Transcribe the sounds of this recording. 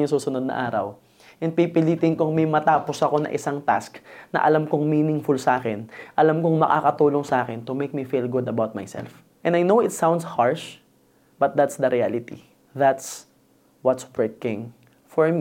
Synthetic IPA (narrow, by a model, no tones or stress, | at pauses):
ʊŋsuːsʊnod̪nɐ̰ʔaːɾɐ̰w | ʔɛn̚pipɪliːt̪ɪŋkʊŋmɐjmɐt̪aːposɐko̞nɐ̰ŋʔɪsaŋt̪a̰sknɐ̰ʔɐlamkʊŋmiːnɪŋfʊlsʔaːkɛnʔɐlamkoŋmɐka̰kɐt̪uːloŋsɐʔaːkɛnt̪ʊmejk̚mifilɡʊd̪ɐbawt̪̚majsɛ̰lf | ʔɛ̃nd̪ɐjnowɪt̪sãw̃nd̪shaɹʃ | bɐt̪̚d̪at̪sd̪ɐɾialɪt̪ḭ | ðat̪s | wɐt̪spɹɛkɪ̃ŋ | fɔɹmi